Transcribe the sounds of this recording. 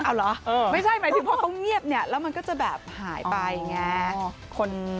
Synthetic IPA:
ʔaː˧˩wlɔ˨˦˥ʔɤː˧ma˥˩t͡ɕʰa˥˩jma˦˥t̪ɯː˨˦pʰɔː˧˩t̪ʰɔ˥˩ŋŋi˥˩əp̚ni˥˩ɐlɛː˦˥wma˧nkɔː˥˩t͡ɕa˨˩bɛ̰ː˨˩p̚haː˩˦jpa˧jŋɛː˧˥ | kʰo˧n

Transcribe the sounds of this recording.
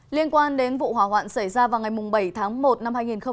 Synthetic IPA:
li˧ənkwaː˧nɗe˨˦nvṵ˧˨ɦwaː˧˩wa̰ː˧˨nsa˧˩jzaː˧vaː˨˩wŋa˨˩jmʊ˨˩ŋ͡mɓə˧˩jt̪ʰaː˨˦ŋmo˨˩t̚na˧mhaː˧jŋi˨˩nxə˧ŋ͡m

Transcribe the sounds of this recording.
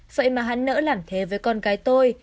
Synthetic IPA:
v̥ə̰˧˨jmaː˨˩ɦa̰˧˥nnə̰ː˧˥laː˨˩mt̪ʰe˨˦vəː˨˦jkɔ˧nɣaː˨˦jt̪o˧j

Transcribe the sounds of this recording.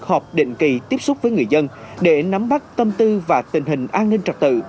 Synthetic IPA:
k̚hɔ˨˩p̚ɗḭ˧˨ŋ̟ki˨˩t̪i˦˥əp̚sʊ˦˥k͡p̚vəː˨˦jŋɨ˨˩əjzə˧nɗe˧˩na˨˦mɓa˦˥t̚t̪ə˧mt̪ɨ˧vaː˨˩t̪ï˨˩ŋ̟ɦï˨˩ŋ̟ʔaː˧nːï˧ŋ̟t͡ɕə˨˩t̚t̪ɨ̰˧˨

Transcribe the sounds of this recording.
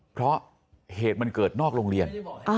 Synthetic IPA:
pʰɾɔ˦˥ | heː˨˩t̪̚ma˧nkɤː˨˩t̪̚nɔː˥˩k̚ɾoː˧ŋɾi˧ənʔ

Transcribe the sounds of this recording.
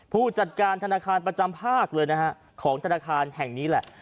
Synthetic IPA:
pʰuː˥˩t͡ɕa˨˩t̪̚kaː˧nt̪ʰa˧naː˧kʰaː˧npɾa˧t͡ɕa˧mpʰaː˥˩k̚lɤː˧jna˦˥ka˦˥ | kʰɔː˩˦ŋt̪ʰa˧naː˧kʰaː˧nhɛ˨˩ŋniː˦˥lɛ˨˩ʔ

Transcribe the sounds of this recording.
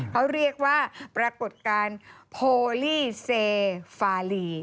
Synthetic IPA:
kʰa˦˥wɾi˥˩ək̚waː˥˩pɾaː˧ko˨˩t̪̚kaː˧npʰoː˧liː˥˩seː˧faː˧liː˧

